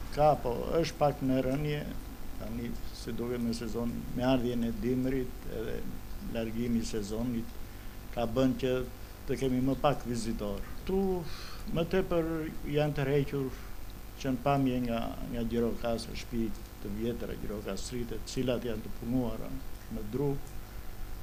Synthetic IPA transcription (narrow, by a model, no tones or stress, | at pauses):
kapɔ̰ə̰ʃt̪̚pakmɛɾənjɛ | t̪a̰nisid̪ukɛmɛsɛzɔnmɛaɾðjɛnɛd̪imɾit̪ɛ̰ðɛ̰laɾɡimisɛzɔnit̪ | kabəncə | t̪əkɛmiməpakvizit̪ɔɾt̪u | mət̪ɛpəɾjant̪əɾɛcuɾ | cənpamjɛŋɡa̰ŋɡaɟɛɾɔkasə̰ʃpi | t̪ːəvjɛt̪ɾa̰ɟɛ̰ɾɔkasɾit̪ɛt̪ə̥t͡silat̪jant̪əpunuaɾa̰məd̪ɾu